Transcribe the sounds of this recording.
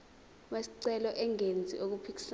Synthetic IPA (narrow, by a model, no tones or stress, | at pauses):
ɓesi̥ǀɛlɔʔɛŋend͡zʱḭʔok̬upʰik̬ʼi̥s